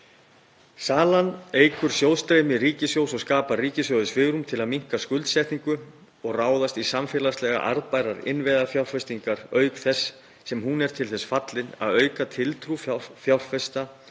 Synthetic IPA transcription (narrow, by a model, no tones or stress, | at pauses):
saːlanejkʏɾ̥sjowðst̪ɾejmɪriːcɪsjowsɔɣskaːpariːcɪsjowðʏsfɪːɣɾʏmt̪ʰɪlaðmiŋ̥kaskʏlt̪sɛjht̪niŋkʏ | ɔɣraːwðast̪isamfjɛːlast̪lɛɣa̰ʔa̰ɾðpaːjɾaɾɪ̰nvɛðafjawɾ̥fɛst̪iŋkaɾ̥œːɥkθɛsː | ɛmɦunɛɾ̥t̪ʰɪlθɛsfat̪lɪna̰ðœːɥkat̪ʰɪlt̪ʰɾuffjawr̥fɛst̪a